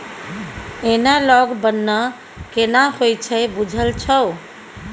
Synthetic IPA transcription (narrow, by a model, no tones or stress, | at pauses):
enalɔɡbənːə | kenahojt͡ʃʰɛbud͡ʒʱəlt͡ʃʰəw